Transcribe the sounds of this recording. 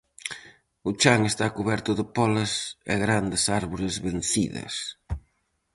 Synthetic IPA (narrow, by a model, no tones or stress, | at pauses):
ʊt͡ʃaŋest̪akuβɛɾt̪ʊðɪpɔlɐsḛɣɾand̪ɪsaɾβoɾɪzβen̟θḭðɐ̰s